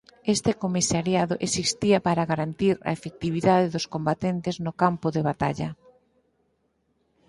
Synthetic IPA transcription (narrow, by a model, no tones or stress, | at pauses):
est̪ekomisaɾjaðʊʔesist̪iɐpaɾaɣaɾant̪iɾɐ̰efek̚t̪iβ̞iðaðeðʊskombat̪ent̪eznʊkampʊðeβat̪a̰ʎɐ